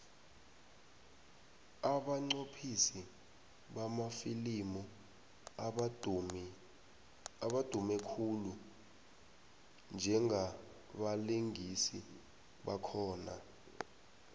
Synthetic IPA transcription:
aɓaŋ͡ǀopʰisi | ɓamafilimu | ɓad̥ʱumɛkʰulu | nd͡ʒʱɛŋʱa | ɓaliŋʱisi | ɓakʰɔːna̰

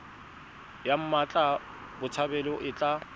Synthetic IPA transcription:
jam̩mat͡ɬʼa | bʊt͡sʰabɛlɔʔɪt͡ɬʼa

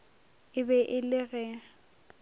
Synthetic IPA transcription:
ɪbɛʔɪlɪɣɛa

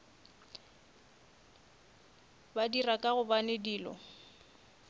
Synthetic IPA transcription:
badirakʼaɣʊbanediːlɔ̰

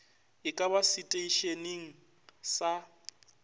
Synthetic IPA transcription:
ɪkʼabasitʼeiʃeniŋ̩ | sa

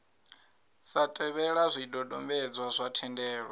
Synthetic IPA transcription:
satʼɛβɛɺazʷidɔdɔmbɛd͡zwazʷatʰɛndɛːɺa

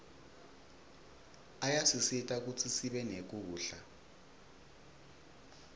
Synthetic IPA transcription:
ajat͡sʰisitʼak̬ʼut͡sʰʼisiɓɛnek̬ʼuuːɬa

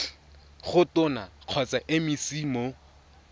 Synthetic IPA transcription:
χʊtʊnaq͡χʰɔt͡sʼaʔɪmɪsimo

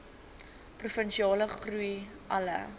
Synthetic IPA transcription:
prufənʃiɑːləχruj | ʔɐlə̰

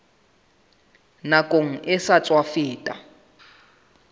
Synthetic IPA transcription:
nakʼoŋ̩ʔɪsat͡sʼwafɪːtʼa̰

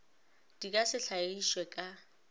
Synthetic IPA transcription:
d̥ikʼasɪɬaiʃwɛkʼa

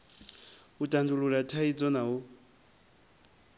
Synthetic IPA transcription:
utʼanduluɺatʰait͡sʼɔnaɦu

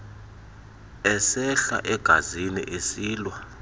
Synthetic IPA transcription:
ɛsɛɬa̰ʔɛɡ̥ʱazinḭʔesiːlwa

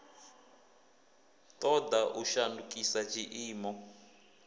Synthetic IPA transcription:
tʼɔdaʔuʃandukʼisad͡ʒiʔiːmɔ

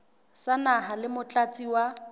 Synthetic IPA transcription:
sanaɦalɪmʊt͡ɬʼat͡sʼiwa

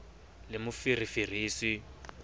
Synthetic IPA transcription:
lɪmʊfirifir̤iːsi

